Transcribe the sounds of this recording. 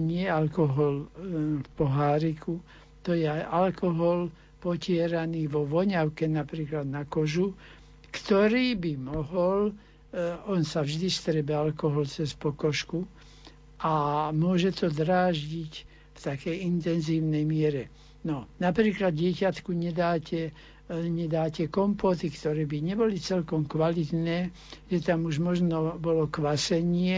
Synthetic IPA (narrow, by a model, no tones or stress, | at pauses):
ɲɪɛalkɔɦɔlfpɔɦaːɾiku | t̪ɔjɛajʔalkɔɦɔl | pɔcɪɛɾaniːʋɔʋɔɲaʊkɛnapɾiːklad̪nakɔʒu | kt̪ɔɾiːbimɔɦɔl | ɔnsavʒd̪ist̪ɾɛbɛalkɔɦɔlt͡sɛspɔkɔʃku | ʔamʊɔʒɛt̪ɔd̪ɾaːʒɟic | ft̪akɛjint̪ɛnziːʊnɛjmɪɛɾɛ | nɔnapɾiːklad̪ɟɪɛcat̪kuɲɛd̪aːcɛ | ɲɛd̪aːcɛkɔmpɔt̪ikt̪ɔɾɛːbiɲɛbɔlit͡sɛlkɔmkʋalit̪nɛː | ʒ̥ɛt̪amuʒmɔʒnɔbɔlɔkʋasɛɲɪɛ